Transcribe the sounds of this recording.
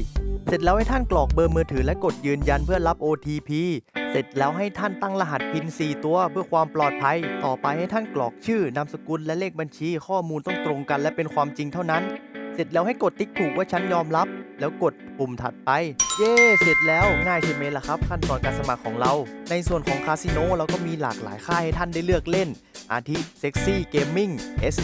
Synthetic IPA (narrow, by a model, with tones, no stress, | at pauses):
se˨˩t̪̚lɛː˦˥wha˥˩jt̪ʰa˥˩nklɔː˨˩k̚bɤː˧mɯː˧t̪ʰɯː˩˦lɛ˦˥ko˨˩t̪̚jɯː˧nja˧npʰɯ˥˩ɐla˦˥p̚ʔoː˧t̪ʰiː˧pʰiː˧se˨˩t̪̚lɛː˦˥wɦa˥˩jt̪ʰa˥˩nt̪a˥˩ŋla˧ɦa˨˩t̪̚pʰi˧nsiː˨˩t̪u˧ɐpʰɯ˥˩ɐkʰwaː˧mplɔː˨˩t̪̚pʰa˧jt̪ɔː˨˩pa˧jha˥˩jt̪ʰa˥˩nklɔ̰ː˨˩k̚t͡ɕʰɯː˥˩na˧msa˧ku˧nlɛ˦˥leː˥˩k̚ba˧nt͡ɕʰiː˧kʰɔː˥˩muː˧nt̪ɔ˥˩ŋt̪ɾo˧ŋka˧nlɛ˦˥pe˧nkʰwaː˧mt͡ɕi˧ŋt̪ʰa˥˩wna˦˥nse˨˩t̪̚lɛː˦˥wha˥˩jko˨˩t̪ːi˦˥k̚t̪ʰuː˨˩k̚waː˥˩t͡ɕʰa˦˥njɔː˧mla˦˥p̚lɛː˦˥wko˨˩t̪̚pʰu˨˩mt̪ʰa˨˩t̪̚pa˧jʔeː˧˩se˨˩t̪̚lɛː˦˥wŋaː˥˩jt̪ʰa˧˩ma˦˥jla˧˩kʰa˦˥p̚kʰa˥˩nt̪ɔː˨˩nkaː˧nsa˧ma˨˩kʰːɔː˩˦ŋɾa˧wna˧jsu˨˩ənkʰɔː˩˦ŋkʰaː˧si˧noː˧˥˨ɾa˧wkɔː˥˩miː˧la̰ː˨˩k̚la̰ː˩˦jkʰaː˥˩ha˥˩jt̪ʰa˥˩nda˥˩jlɯ˥˩ək̚le˥˩n | ʔa̰ː˧t̪ʰi˦˥se˦˥k̚siː˥˩keː˧mːi˥˩ŋʔe˦˥s